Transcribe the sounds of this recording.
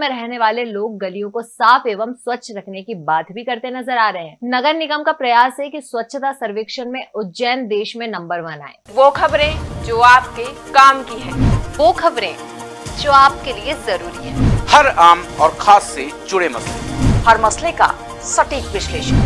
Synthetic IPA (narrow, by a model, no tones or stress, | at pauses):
mẽɾɛɦneʋaːleloːɡ̚ːɐlijõkosaːfeːʋəmswɐtːʃʰɾɐkʰnekibaːt̪bʱikɐɾt̪enɐzəɾaːɾɐeɦɛ̃ːnɐɡəɾnɪɡəmkapɾɐjaːsɦɛkiswɐtːʃʰt̪asɐɾʋeːkʃənmẽʔʊtːd͡ʒɛːnd̪eːʃmẽnɐ̃mbəɾʋɐna̰ːḛːʋoːkʰɐbɾẽd͡ʒoːaːp̚kekaːmkiɦɛ̰̃ːʋoːkʰɐbɾẽ | d͡ʒoːaːp̚keliezɐɾuːɾiɦɛ̃ːhɐɾaːmɔːɾkʰaːsːed͡ʒʊɽemɐslehɐɾmɐsleka̰ | sɐʈiːkʋɪʃleːʃən